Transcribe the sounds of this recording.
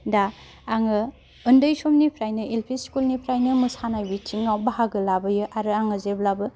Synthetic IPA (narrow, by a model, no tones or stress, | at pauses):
daː | ŋɯ | ɯndɯjsomnipʰɾajnɯelpʰiskulnipʰɾajnɯmɯsanajbitʰiŋːawbaɦaɡɯlabɯjɯʔaɾɯaŋɯzeblabɯ